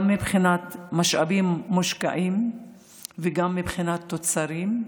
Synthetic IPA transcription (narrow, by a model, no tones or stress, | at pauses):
mːibχinat̪maʃʔa̰bimːuʃka̰ʔim | veɡamːibχinat̪ːot͡saɾim